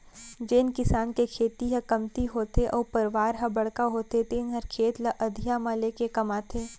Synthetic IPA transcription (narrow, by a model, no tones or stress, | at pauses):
d͡ʒeːnkɪsaːnkekʰeːt̪iɦɐ̃kɐmt̪iɦoːt̪eʔɔːɾpɐɾʋaːɾɦɐ̃bɐɽ̤kaɦoːt̪et̪eːnɦɐɾkʰeːt̪lɐʔɐd̪ʱɪjamaleːkekɐmaːt̪ʰeː